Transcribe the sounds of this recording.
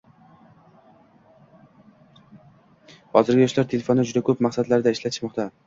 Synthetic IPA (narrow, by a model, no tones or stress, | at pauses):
hɒzɪɾɡʲɪjɒʃlaɾt̪ʰe̞lefonːɪd͡ʒʊd̪akʰɵp̚maqsad̪laɾɪd̪aɪʃlat̪ʰɪʃmɒqt̪ʰa